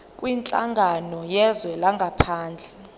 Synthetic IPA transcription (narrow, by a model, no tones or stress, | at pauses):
kʼwint͡ɬʼa̰ŋɡʱanɔjɛzwɛlaŋɡʱapʰaːnd͡ɮʱɛ